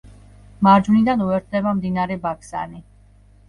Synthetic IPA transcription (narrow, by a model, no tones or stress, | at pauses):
maɾd͡ʒvunid̪anuɛɾt̪ʰd̪ɛbamd̪inaɾɛbakʰsa̰ni